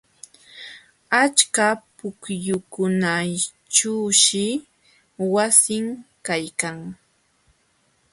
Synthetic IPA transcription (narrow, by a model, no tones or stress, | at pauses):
at͡ʃkapʊkjʊkʊna | t͡ʃuːʃɪ | wasɪŋkajkaŋ